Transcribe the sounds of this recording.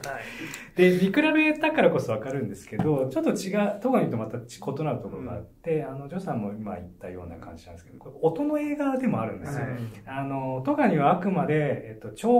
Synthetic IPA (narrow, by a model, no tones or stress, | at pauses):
d̪̥e̞bʲikɯ̟ɾabe̞t̪akaɾako̞so̞β̞akaɾɯ̟̃nd̪e̞sɨ̥ke̞d̪o̞t͡ɕo̞t̪ːo̞t͡ɕiɡat̪oɡaɲ̟iɯ̟t̪ːomat̪at͡ɕkʰo̞t̪o̞naɾɯ̟t̪o̞koɾoɡa̰ːt̪ːe̞ano̞d͡ʑo̞sãmːo̞ima̰it̪ːajo̞̰ːna̰kã̰ɲ̟d͡ʑinãnesked̪okot̪o̞no̞e̞ːɡad̪e̞mo̞aɾɯ̟̃nd̪e̞sɨeano̞t̪o̞ɡaɲ̟iβaːkɯ̟mad̪e̞ːt̪ːo̞t͡ɕo̞ː